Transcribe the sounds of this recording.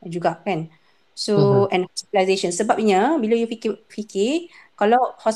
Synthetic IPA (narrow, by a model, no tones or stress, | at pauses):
d͡ʒuɡaʔkɛ̃n | soɛ̃nhɔsitəlajzeʃə̃nsəbap̚iɲəbilojufikfikekalawhɔs